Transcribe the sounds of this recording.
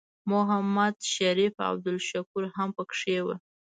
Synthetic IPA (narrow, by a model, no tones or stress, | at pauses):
mʊɦamːad̪ʃaɾifa̰b̚d̪ʊlʃakuɾɦampəkʂewə